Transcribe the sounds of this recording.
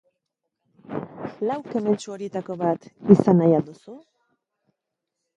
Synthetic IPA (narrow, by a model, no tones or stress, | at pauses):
lawke̞me̞nt͡ʃuo̞ɾje̞t̪ako̞βat̪isanajald̪usu